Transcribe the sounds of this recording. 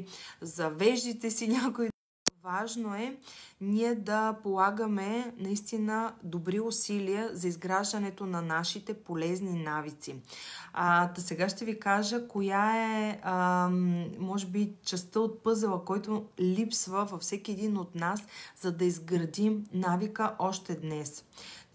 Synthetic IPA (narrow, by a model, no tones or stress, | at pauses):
zɐvɛʒd̪it̪ɛsiɲʲako | vaʒnoɛnʲiɛd̪ɐpolˠaɡəmɛnɐist̪inəd̪obɾiʊsiliəzɐizɡɾaʒd̪ɐnɛt̪onɐnaʃit̪ɛpolɛzninavit̪si | t̪ɐsɛɡaʃt̪ɛvikaʒəkojaɛ | mɔʒɛbit͡ʃɛst̪əot̪̚pɤzəlˠəkɔjt̪olipsvəvɐfsɛkʲiɛd̪inot̪naszɐd̪ɐizɡɾɐd̪imnavikəʔɔʃt̪ɛd̪nɛs